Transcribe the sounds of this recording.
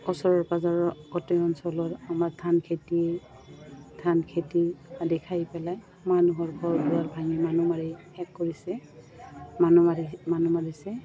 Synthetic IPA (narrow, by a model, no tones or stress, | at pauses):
ɔsɔɹɔɹpazaɹɔɡɔtɛɔnsɔlɔɹamaɹtʰankʰeti | tʰankʰetiadɛkʰajpɛlaj | manuɦɔɹɡʱɔɹbuaɹbʱaŋimanumaɹihɛkːoɹisɛ | manumaɹimanumaɹisɛ